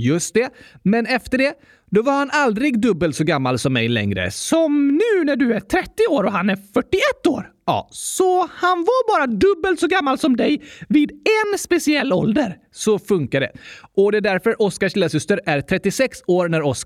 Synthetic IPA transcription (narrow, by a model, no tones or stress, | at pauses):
jɵst̪̚d̪ɛmɛnɛft̪əɖɛ | d̪ɔvaɾhanald̪ɾɪɡd̪ɵbːəlt̪sɔɡamːalsɔmːɛ̰jlɛ̰ŋɾə̰sɔmnʉ̟ːnæɖɵæʈʰɾɛt̪ːɪoːɾɔɦanæɾfœʈːɪɛt̪ːoːɾɑ̰ːsɔhanvaɾbɑːɾad̪ɵbːəlt̪sɔɡamːalsɔmd̪ɛjviːd̪ɛnspɛsɪɛlːɔ̰ld̪əɾ | sɔfɵŋkaɖ̪ɛ̰ʔɔd̪ɛːd̪æɾfœɾʔɔskaʂɪlːasʏst̪əɾæɾt̪ʰɾɛt̪ːɪsɛksoːɾnæɾɔs